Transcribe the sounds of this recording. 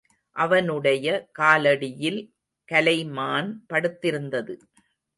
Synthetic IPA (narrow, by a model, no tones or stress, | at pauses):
ʔɐʋɐnɯɽɐjɐkaːlɐɽɪjɪl | kɐlɐɪmaːnpɐɽɯt̪ːɪɾɯnd̪ɐðɯ